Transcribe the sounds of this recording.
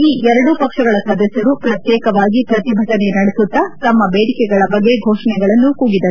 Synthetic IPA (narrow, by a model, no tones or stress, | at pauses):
iːʔɛɾɐɽupɐkʂɐɡɐɭɐsʋɐd̪ɐsjɐɾupɾɐt̪jɛːkɐʋaːɡipɾɐt̪ibʱɐʈ̪ɐnenɐɽesut̪ːɐt̪ɐmːɐbeːɽikɛɡɐɭɐbɐɡːe̞ɡʱoːʂɐɳɛɡɐɭɐnːukuːɡid̪ɐɾu